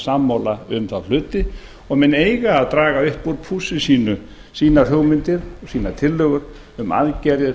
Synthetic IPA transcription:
samːowlaʏmθawl̥ʏːt̪ɪ | ɔɣmɛneːjɣaːðt̪ɾaːɣaʏht̪̚puɾpʰuːsɪsiːnʏ | siːnar̥œːwmɪnt̪ɪɾɔsiːnat̪ʰɪlːœːɣʏɾ | ʏma̰ðcɛɾjɪ

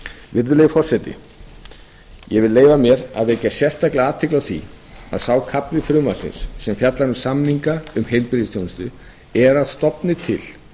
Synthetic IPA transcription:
vɪɾðʏlejɣɪfɔr̥sɛt̪ɪ̰ | jɛvɪleːjvamjɛɾa̰ðvecːasjɛr̥st̪aklɪaːðt̪ʰɪklawθḭa̰ðsaːwkʰapɾɪfɾʏmasɪ̰nsːɛmfjat̪lanʏsamniŋkaʏmhejlpɾðɪst̪ʰownɪst̪ʏ̰ | ɛɾaðst̪ɔpnɪt̪ʰɪl̥

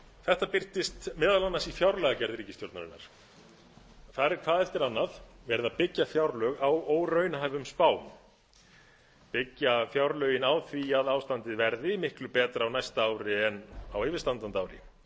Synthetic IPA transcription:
θɛht̪apɪr̥t̪ɪst̪mɛːðalanːasifjawɾlɛɣacɛɾðɾiːcɪst̪joɾt̪naɾɪnːa̰ɾ̥ | θaɾɛɾ̥kʰv̥aːðɛft̪ɪɾanːaðvɛɾðapɪcːafjawɾlœɣawoːwrœɥnaɦajvʏmspaːw | pɪcːafjawɾlœːɥjɪnaːwθviaðaːwst̪ant̪ɪðvɛɾðɪmɪhklʏpɛːt̪ɾawnajst̪aaːwɾɪɛnawejvɪɾ̥st̪ant̪ant̪aːwɾɪ̰

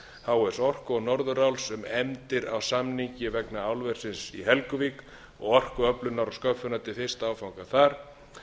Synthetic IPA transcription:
θawɛ̥sɔr̥kɔɣnɔɾðʏɾawlsʏmɛmt̪ɪɾawsamniɲcɪvɛknaawlvɛr̥sɪnsiɦɛlkʏvik | ɔɣɔr̥kʏœplʏnaɾɔskœfʏnat̪ɪlθɪst̪awfawŋkaθaɾ̥

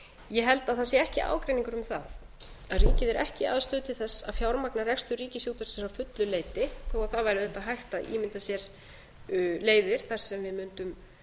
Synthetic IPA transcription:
jɛɦɛlt̪aðθasjɪɛhcɪʔa̰ːwkɾejniŋkʏɾʏmθað | aðriːcɪðɛɾɛhcɪa̰ðst̪ʏːt̪ɪθɛsːaðfjawɾmaknarɛkst̪ʏriːcɪsjuːt̪aɾsɛnsawfʏt̪lʏleːjt̪ɪθowaθavajɾɪθɛht̪ːaɦajxt̪aḭːmɪnt̪asjɛɾ̥ | leːjðɪɾ̥θar̥sɛmvɪðmʏnt̪ʏm

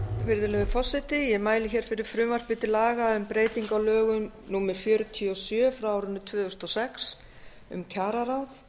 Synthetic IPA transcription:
fɪɾðɪlɛvʏfɔsːɪt̪ɪjɛmaːjlɪçɛːɾ̥fɪɾɪɾ̥fɾʏːmar̥pɪt̪ɪlaːɣaʏmpɾeːjt̪iŋkawlœːɣʏm | nuːmɛɾ̥fjœɾʏt̪ʰiɔsjœːfɾaaːwɾʏnːʏt̪ʰvʏːðʏst̪ɔsɛks | ʏ̰mcʰaːɾaɾawθ

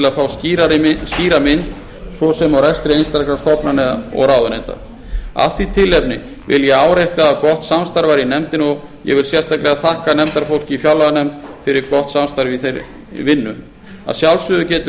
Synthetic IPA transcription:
ɪlaðfaːwsiɾaɾsciːɾamɪnt̪ | svɔsɛmawɾɛst̪ɾɪejnst̪aɾklast̪ɔpnanɛðaɔ̰ɣɾaːwðʏnejnt̪a̰ | a̰θit̪ʰɪlːɛpnɪ | vɪljɛaːwɾejht̪aːðkɔht̪samst̪aɾvaɾinɛmt̪ɪnɔɣ | jɛ̰vɪlsjɛ̥st̪aklɛɣaθahkanɛmt̪aɾfowl̥cɪifjawlaɣanɛmt̪fɪɾɪɾkɔht̪samst̪aɾvɪθejɾ | vɪnːʏ | a̰sjawlsʏðʏcɛːt̪ʏ

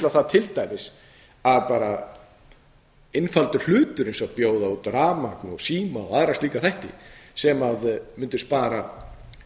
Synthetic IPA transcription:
laθaðt̪ʰɪlt̪ajmɪs | aðpaːɾa | ɪnfalt̪ʏl̥ʏːt̪ʏɾejnsɔapjoːwðaut̪ɾaːmaknɔsiːmaɔaðɾasliːkaθajht̪ɪ̰sɛmaðmʏnt̪ʏ̥spaːɾa

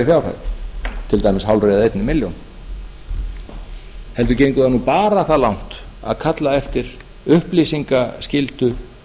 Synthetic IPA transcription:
fjawr̥a̰jðt̪ʰɪlt̪aːjmɪshawlrejðaejt̪nɪmɪljown | hɛlt̪̬ʏcejŋkʏðanuːpaːɾaθalawn̥t̪a̰ðkʰat̪laɛft̪ɪɾ | ʏhplisiŋkascɪlt̪ʏ

